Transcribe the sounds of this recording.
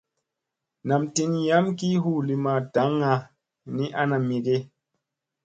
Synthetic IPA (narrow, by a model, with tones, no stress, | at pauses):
na˨mti˧nja˦mki˦ɦu˦˨li˧ma˧˨da˨˦ŋa˧ | ni˦ʔa˦na˨mi˨ɡe˦